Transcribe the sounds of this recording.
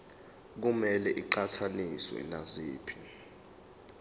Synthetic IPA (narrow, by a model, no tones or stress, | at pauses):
k̬umɛlɛʔiǃatʰaniswɛ̰naziːpʰi̥